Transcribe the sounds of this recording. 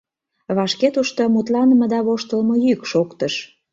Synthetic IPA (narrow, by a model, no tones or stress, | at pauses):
βɑʃket̪uʃt̪omut̪lɑnəmə̆d̪ɑβoʃt̪əlmojykʃokt̪əʃ